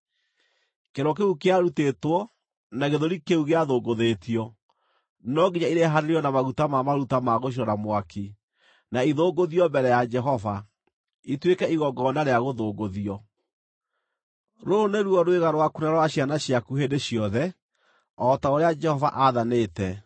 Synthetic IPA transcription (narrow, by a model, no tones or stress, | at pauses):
keɾɔkeukeaɾutetwɔ | naɣeðoɾikeuɣeaðoːɡoðetiɔ | nɔɡiɲaiɾeɦaɾeɾiɔnamaɣutamamaɾutamaɣoʃ̬iɾɔnamwaki | naiðoːɡoðiɔmbɛɾɛjad͡ʒɛɦɔva | itwekɛiɣɔɡɔnaɾeaɣoðoːɡoðiɔ | ɾoneɾuɔɾweɣaɾwakunaɾwaɕjanaɕiakuhedeɕijɔðɛ | ɔtaoɾead͡ʒɛhɔva̰ʔaðanetɛ